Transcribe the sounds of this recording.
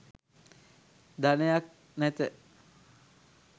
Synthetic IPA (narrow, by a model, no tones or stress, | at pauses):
d̪anejak̚ | næt̪ə